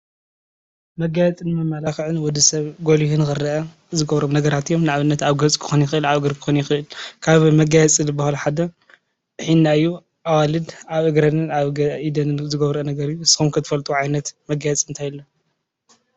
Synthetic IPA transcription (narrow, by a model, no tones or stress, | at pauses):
mɐɡajɛt͡sʼɨnɨmɐmːalaxʕɨnwɔd̪ɨsɐβɡolihunɨxɨrːɐʔɐ | zɨɡɐβɾomnɐɡɐɾat̪ijo̞mnaʕaβɨnːɐt̪aβɡɐt͡sʼkʰɨ̥xonjɪxɨʔɨlaβɨɡɨɾkʰɨ̥xonjɪxɨʔɨlkʰaβmɐɡajɛt͡sʼilɨbahalħad̪ɐ | ħinːaɨjːu | ʔawalɨd̪ʔaβʔɨɡɾɐnɨnaβɡɐʔid̪ɐnɨnzɨɡɐβɾɨnɐɡɐɾijsɨ̥xumkʰɨt̪ʰɨfɐlt̪ʼuʕajnɐt̪mɐɡajɛt͡sʼɨnt̪ʰajɪlːo